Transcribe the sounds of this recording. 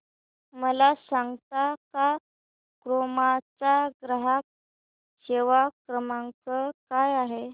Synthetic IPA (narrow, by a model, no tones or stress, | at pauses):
məlasãŋɡt̪aka | kɾomat͡saɡɾəɦak̚ | ɕeʋakɾəmãŋkəkajaɦe